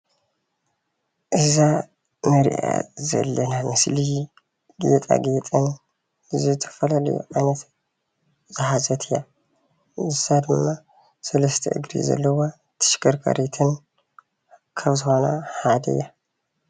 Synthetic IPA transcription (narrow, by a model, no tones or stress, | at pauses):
ʔɨza | mɐɾḭʔa̰zɐ̰lːɐnamɨsli | ɡ̥it̪ʼa̰ɡet̪ʼɐn | zɨt̪ʰɐ̥fɐlalɐ̰jṵʔajnɐt̪ | zɨɦazɐt̪ʰija | ʔɨzad̪ɨmːa | sɐlɐst̪ʰɐ̰ʔɨ̰ɡɾḭzɐ̰lːɐwo | t̪ʰɨ̥ʃkɐɾkʰɐ̰ɾet̪ʰɨn | kʰɐβzɨxo̞nɐ̰had̪ɐ̰jːa